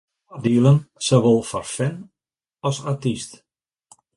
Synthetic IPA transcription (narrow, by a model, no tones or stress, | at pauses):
diəlˠənsoʋolˠfɔrfɛn | ɔsatist